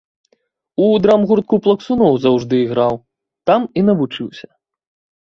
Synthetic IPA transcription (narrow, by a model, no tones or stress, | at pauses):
ud̪ɾamɣurt̪̚kuplˠɐksunɔwzɐwʐd̪ɨiɣɾaw | t̪amin̪ɐvut͡ʂɨwsʲɐ̥